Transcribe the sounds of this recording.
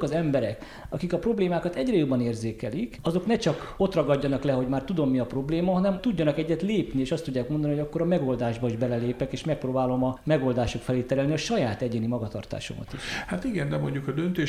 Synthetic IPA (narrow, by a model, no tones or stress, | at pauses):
kɒzɛmbɛɾɛk | ɒkikɒpro̞bleːmaːkɒt̪ɛɟrɛjo̞bːɒneːrzeːkɛlikɒzo̞knɛt͡ʃɒko̞t̪rɒɡɒɟːɒnɒklɛɦo̞ɟmaːrt̪ud̪o̞mːiɒpro̞bleːmɒɦɒnɛmt̪uɟːɒnɒkɛɟːɛt̪leːpnieːʃɒst̪udɟːaːkmond̪ɒnioɟɒkːo̞ɾɒmɛɡo̞ld̪aːʒbɒiʒbɛlɛleːpɛkeːʃmɛk̚proːbaːlo̞mɒmɛɡoːld̪aːʃokfɛleːt̪ɛɾɛlniɒʃɒjaːt̪ɛɟeːnimɒɡɒt̪ɒ̰rt̪a̰ːʃo̞̰mɒ̰t̪ḭʃhat̪iɡɛnd̪ɛmo̞ɲɟukɒd̪ønt̪eː